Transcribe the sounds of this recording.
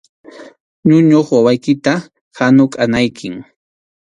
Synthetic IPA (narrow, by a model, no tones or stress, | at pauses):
ɲʊɲoχwawajkɪt̪a | hanʊkʼanajkʰɪŋ